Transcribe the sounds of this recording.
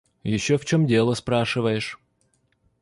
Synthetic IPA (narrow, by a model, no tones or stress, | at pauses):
jɪɕːoft͡ɕomdʲe̞lˠəspɾaʂɨvəjɪʂ